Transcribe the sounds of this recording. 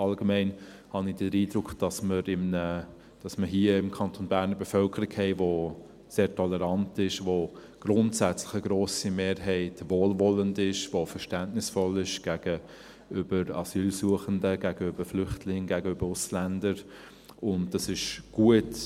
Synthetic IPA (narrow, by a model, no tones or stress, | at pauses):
ɑlɡəmɛɪn | hɑnid̥əɾiːdɾʊkd̥ɑsməɾɪmnə | d̥ɑsməɦiːəɪmkʰɑntʰonbæːɾnəbɛfœlkʰəɾiɡhɛɪvo | seːɾtʰɔlɛɾɑntɪʃʋo | ɡ̥ɾʊntsæt͡slɪxəɡ̥ɾoːsimeːɾɦɛɪtvoːlvɔləndɪʃvofəɾʃtæntnɪsfɔlɪʃɡ̥æːɡ̥ə | ʏbəɾɑ̰syːlsuəχəndəɡ̥æːɡəøbəflʏχtʰlɪŋɡæːɡəøbəɾʊslændəɾ | ʊnd̥ɑsɪʃɡ̥uət